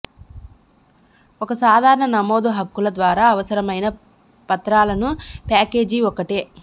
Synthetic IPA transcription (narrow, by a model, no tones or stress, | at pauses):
ɔkɐsaːd̪ʱaːɾɐɳɐnɐmo̞ːd̪uɦɐkːulɐd̪ʋaːɾaːɐʋɐsɐɾɐmɐjnɐ | pɐt̪ɾaːlɐnupaːke̞ːd͡ʒiɔkːɐʈeː